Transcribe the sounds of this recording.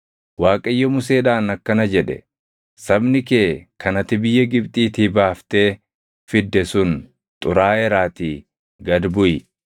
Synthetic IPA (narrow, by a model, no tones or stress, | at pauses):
waːkʼɐjːɔmʊseːᶑaːnɐkːɐnɐd͡ʒɛᶑɛ̰ | sɐbnɪkeːkʰɐnɐt̪ɪbɪjːɐɡɪbt̪ʼiːt̪ɪbaːft̪e̞ː | fɪd̪ːɛsʊn | t̪ʼʊɾaːɛɾaːt̪iː | ɡɐd̪bʊɪ